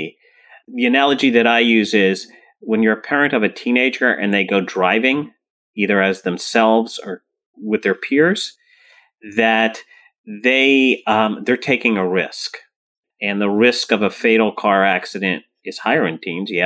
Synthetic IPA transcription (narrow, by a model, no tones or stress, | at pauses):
ðiɨnælˠəd͡ʒiðɨɾaɪjʉzɪz | wə̃njə˞ɨpʰɛɹɨ̃ntʌvɨtʰĩneɪd͡ʒə˞ʔɨ̰̃nðeɪɡoʊdɹaɪvɪ̃ŋ | iðə˞ɨzðɨ̃msɛlˠvz̥ə˞ | wɨðə˞pʰɪɹz̥ | ðɨt̪̚ | ðeɪðə˞tʰeɪkɪ̃ŋɨɹɪsk | ɨ̃nðəɹɪskʌvəfeɪɾl̩ˠkʰɑɹæksɨɾɨ̃nt̚ | ɨz̥haɪə˞ɨ̃ntʰĩmzjæ